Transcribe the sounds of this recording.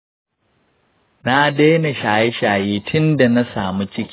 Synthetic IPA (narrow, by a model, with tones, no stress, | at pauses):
na˦deː˦na˨ʃaː˨je˦ʃaː˨jeː˦tʰʊ˦nda˨na˦saː˨mu˦t͡ʃɪ˦kʲ